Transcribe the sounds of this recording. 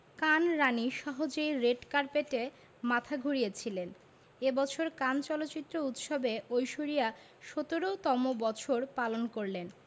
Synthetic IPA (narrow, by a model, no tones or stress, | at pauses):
kanɾaniʃɔɦod͡ʑejɾeɖkaɾpeʈe | mat̪ʰaɡʱoɾijet͡ɕʰilen | ebɔt͡ɕʰoɾkant͡ɕɔlot̪ːt͡ɕit̪ːɾout̪ʃobeojʃoɾija | ʃot̪oɾot̪ɔmobɔt͡ɕʰoɾpalonkoɾlen